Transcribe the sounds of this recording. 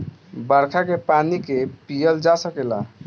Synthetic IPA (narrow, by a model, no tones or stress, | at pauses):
bəɾkʰakepanikepijəld͡ʒasəkela̰